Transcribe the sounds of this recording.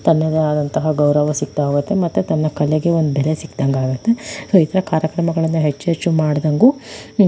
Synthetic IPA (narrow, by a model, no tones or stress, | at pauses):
t̪ɐnːɐd̪eaːd̪ɐnt̪ɐɦɐɡɐwɾɐʋɐsik̚t̪aaːɡut̪ːemɐt̪ːut̪ɐnːɐkɐleɡe̞ond̪ubɛlesikd̪ɐŋɡaːɡut̪ːesoːit̪ʰɐɾɐkaːɾjɐkɾɐmɐɡɐɭɐnːuɦet͡ʃːeɾt͡ʃːumaːɽd̪ɐŋɡu